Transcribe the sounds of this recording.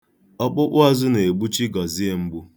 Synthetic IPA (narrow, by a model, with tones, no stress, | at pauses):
ɔ˦k͡pʊ˦k͡pʊ˦a˦zʊ˦ne˨e˨ɡ͡bu˦t͡ʃi˦ɡɔ˨zi˦e˦m̩˦ɡ͡bu˦